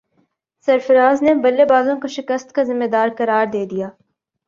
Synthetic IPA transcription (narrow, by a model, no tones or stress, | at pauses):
sɐɾfɐɾaːznebɐlːebaːzõkoʃɪkəst̪kazɪmːed̪aːɾkɐɾaːɾd̪eːd̪ijaː